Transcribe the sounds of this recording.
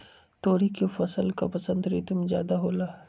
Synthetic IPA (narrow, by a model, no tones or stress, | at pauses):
t̪oːɾikefɐsəlka̰pɐsə̃nd̪ɾɪt̪mzja̰ːd̪aɦoːlaː